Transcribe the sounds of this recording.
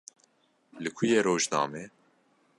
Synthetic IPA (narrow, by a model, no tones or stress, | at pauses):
lɨkʰʊjeːɾoːʒnɑ̰ːmeː